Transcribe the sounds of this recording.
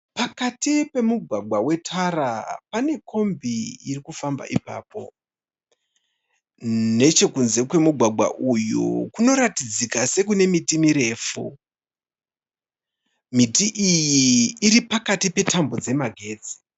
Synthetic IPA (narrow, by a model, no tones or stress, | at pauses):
pakatipe̞muɡʱwaɡʱwawe̞tʰarapane̞kʰo̞mbiirikufamba̰ʔipa̰ːp̚o̞̰ | ne̞t͡ʃe̞kunze̞kwe̞muɡʱwaɡʱwa̰ʔujṵkuno̞ɾatid͡zikase̞k̬une̞mitimiɾe̞ːfu | mitiʔijiːripakatipe̞tambo̞d͡ze̞maɡʱe̞ːd͡zi̥